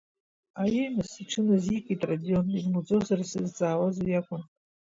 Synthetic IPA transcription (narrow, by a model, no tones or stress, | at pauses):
ajemɨsiʈ͡ʂʰɨnɨzikʼitʼradijonirnud͡zozarasɨzt͡sʼaːwazajakʷʼʊn